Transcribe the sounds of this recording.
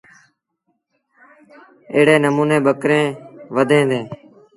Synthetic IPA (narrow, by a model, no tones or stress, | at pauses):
eːɽeːnəmuːneːɓəkɾẽːʋəd̪ʱẽːd̪ẽː